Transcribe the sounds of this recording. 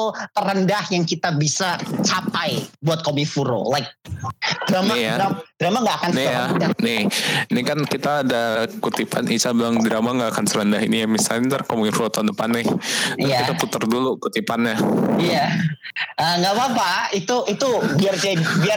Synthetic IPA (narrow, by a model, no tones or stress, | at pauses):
ut̪əɾəndahjaŋkit̪abisat͡ʃapajbuat̪̚komifuɾo̰laɪk̚dɾamajdaadɾamaŋɡaakannijadanɪhinikankit̪aːdakut̪ipanʔisabilaŋdɾamaŋɡaːkansəɾəndaɦḭnijamisalɲat̪ərkomifuɾot̪aundəpanːɪhiait̪ap̪ut̪ərdulukut̪ipanjaija | əŋɡaʔbapait̪uʔit̪ubiard͡ʒabia